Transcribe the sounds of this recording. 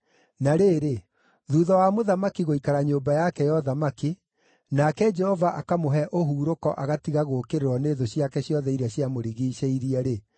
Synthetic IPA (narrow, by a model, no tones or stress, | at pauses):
naɾeːɾe | ðuːðɔwamoðamakiɣoikaɾaɲoːmbajakɛjɔðamaki | nakɛd͡ʒɛhɔvaʔakamoɦɛʔoɦuːɾokɔʔaɣatiɣaɣoːkeɾeɾwɔneːðoɕjakɛɕjɔðɛiɾaɕjamoɾiɣiːɕeiɾiɛɾe